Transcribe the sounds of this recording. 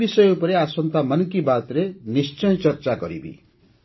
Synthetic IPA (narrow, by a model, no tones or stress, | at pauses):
isʌjopʌɾeasʌnt̪amʌnkibat̪ɾenist͡ʃʌj̃t͡sʌrt͡saɡʌ̰ɾḭbḭ